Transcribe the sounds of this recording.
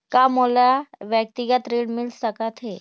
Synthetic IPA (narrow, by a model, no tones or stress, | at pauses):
kamolaʋjək̚t̪ɪɡət̪ɾeːɽmɪlsəkət̪ɦe